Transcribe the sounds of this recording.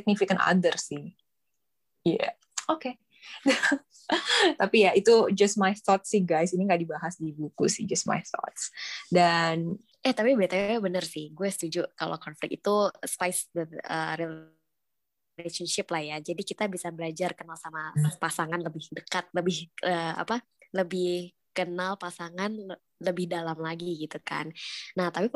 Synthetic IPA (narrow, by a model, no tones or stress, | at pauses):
ɪk̚nifikana̰dərsɪh | ja̰ | oke | da | t̪apijait̪ud͡ʒasmajθɔt̪̚sɪhɡajsiniŋɡaʔdibaɦasdibukusɪ̰d͡ʒas̚ma̰jθɔ̰t̪sdan | ʔɛht̪apibiat̪ajabənərsɪhɡuasə̥t̪ud͡ʒukalo̰kɔnflɪkit̪uspajsdəə̰ːɾi | eʃənʃɪplahjad͡ʒadikit̪abisabəlad͡ʒarkənalsamapasaŋanləbɪhdəkat̪̚ləbɪhʔəːa̰pa | ləbɪh | kənalpasaŋan | ləbɪhdalamlaɡiɡit̪uka̰nːaht̪api